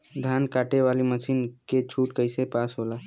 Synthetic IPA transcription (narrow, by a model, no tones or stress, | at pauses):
d̪ʱankaʈeʋaliməsinket͡ʃʰuʈkəjsepasɦola